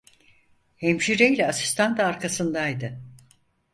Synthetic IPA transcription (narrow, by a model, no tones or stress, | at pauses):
hemʃiɾejlʲɛasi̥st̪ʰant̪ʰːɾkasɯnd̪ajd̪ɯ